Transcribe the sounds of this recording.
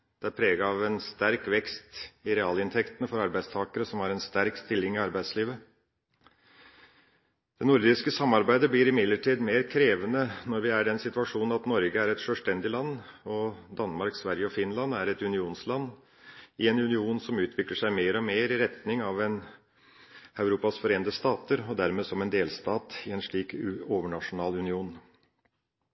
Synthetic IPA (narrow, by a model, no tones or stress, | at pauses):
d̪̥ɛæɾpʰɾeːɡɑɑʋɛnst̪æɾkʋɛkst̪ɪɾɛɑːlɪnt̪ʰɛkt̪ənəfɔɾɑɾbæɪst̪ʰɑːkəɾəsɔmɑɾɛnst̪æɾkst̪ɪlːɪŋɪɑɾbæɪsliːʋə | d̪̥ɛnʊɾd̪ɪskəsɑmːɑɾbæɪd̪əbliːɾɪmɪd̪ləʈʰiːd̪meːɾkʰɾeːʋənənɔɾʋɪæɖɛnsɪt̪ʉɑʂuːnn̩ɑt̪nɔɾɡəæɾɛt̪ʂœːlst̪ɛnd̪ɪlɑnːɔd̪ɑnmɑɾksʋæɾjəɔfɪnlɑnæɾɛt̪ʉnɪuːnslɑnː | ɪɛnʉnɪuːnsɔmʉːt̪ʰʋɪkləʂæɪmeːɾɔmeːɾɪɾɛt̪nɪŋɑʋɛn | ɑʉɾuːpɑsfɔɾeːnd̪əst̪ɑːt̪əɾɔd̪æɾmeːsɔmɛnd̪eːlst̪ɑːt̪ɪɛnʂɭiːkoːʋəɳɑʂʊnɑːlʉnɪuːn